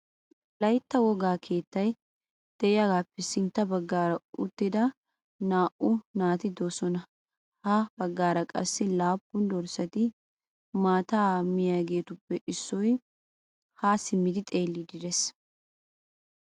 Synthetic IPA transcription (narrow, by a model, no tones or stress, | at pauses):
lɐjt̪ːɐwɔɡaːkʰe̞ːt̪ːɐj | d̪̥ɛʔɪjaɡaːpːɛsɪnt̪ːɐbɐɡːaːɾɐʊt̪ːɪd̪ɐ | naːʔʊnaːt̪ɪd̪oːsɔnɐ | habɐɡːaːɾɐkʼɐsːɪlaːpːʊnd̪ɔɾsɐt̪ɪ | maːt̪aːmɪjaːɡe̞ːt̪ʊpːɛʔɪsːɔj | haːsɪmːɪd̪ɪt̪ʼe̞ːlːɪd̪ɪd̪ɛs